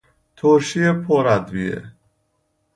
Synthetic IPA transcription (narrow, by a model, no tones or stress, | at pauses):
t̪ʰoɾʃiːepʰoɾæd̪vḭḛ